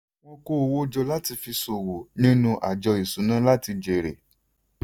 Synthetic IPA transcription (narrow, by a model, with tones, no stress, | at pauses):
w̃ɔ̃˧ko˦˧wo˦d͡ʒɔ˧la˦ti˧fi˧so˨wo˨nĩ˦nũ˧ʔa̰˨d͡ʒɔ˧i˨sũ˨˦nã˦la˦ti˧d͡ʒe˨ɾḛ˨